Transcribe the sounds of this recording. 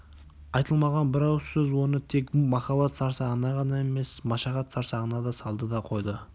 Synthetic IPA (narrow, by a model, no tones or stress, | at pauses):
ɑjt̪əlˠmɑʁɑnbɪɾɑwsɵzwo̞nət̪ʰe̞kmɑχɑbɑt̪sɑɾsɑʁənɑʁɑnɑe̞me̞smɑʃɑʁɑt̪sɑɾsɑʁənɑd̪ɑsɑlˠd̪əd̪ɑqʰo̞jd̪ə